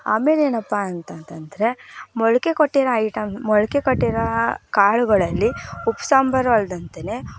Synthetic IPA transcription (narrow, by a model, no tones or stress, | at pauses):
a̰ːme̞ːleːnɐpːaːɐnt̪ɐnt̪ɐnd̪ɐɾe̞mɔɭɐke̞koʈːiɾɐːjʈɐmsmɔɭɐkekoʈːiɾɐkaːɭuɡɐɭɐlːiupsaːmbʱɐɾʋɐɭd̪ɐnt̪ene̞